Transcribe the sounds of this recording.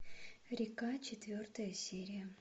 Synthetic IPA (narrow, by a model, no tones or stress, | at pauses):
ɾʲɪkat͡ɕɪt̪vʲort̪əjəsʲeɾʲɪjə